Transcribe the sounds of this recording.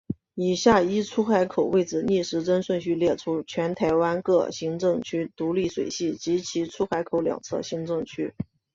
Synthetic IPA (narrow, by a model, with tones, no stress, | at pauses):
i˨˩ɕja˥˩i˥ʈ͡ʂʰu˥xa˧˥ɪkʰo˨˩ʊwe˥˩ɪʈ͡ʂɹ̩˨˩ni˥˩ʂɻ̩˧˥ʈ͡ʂə˥nʂwə˥˧nɕy˥˧ljɛ˥˩ʈ͡ʂʰu˥t͡ɕʰɥɛ˧˥nt̪ʰa˧˥ɪwa˥nkɤ˥˩ɕi˧˥ŋʈ͡ʂɤ˥˧ŋt͡ɕʰy˥t̪u˧˥li˥˩ʂwe˨˩ɪɕi˥˩t͡ɕi˧˥t͡ɕʰi˧˥ʈ͡ʂʰu˥xa˧˥ɪkʰo˧˥ʊljɑ̰˨˩ŋt͡sʰɤ̰˥˩ɕi˧˥ŋʈ͡ʂɤ˥˩ŋt͡ɕʰy˥